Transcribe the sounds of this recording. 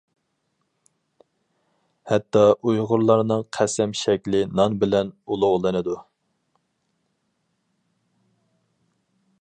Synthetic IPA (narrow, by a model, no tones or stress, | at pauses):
hɛt̪ʰːɑʔujʁʊɾlˠɑɾnɨŋqʰæsɛmʃɛkʲlɪnɑnbɪlɛnulˠʊʁlˠɨnɨd̪u